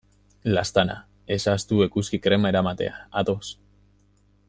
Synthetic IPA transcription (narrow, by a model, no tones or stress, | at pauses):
last̪ana̰ | e̞sast̪ue̞kuskikɾe̞mae̞ɾamat̪e̞̰aat̪o̞s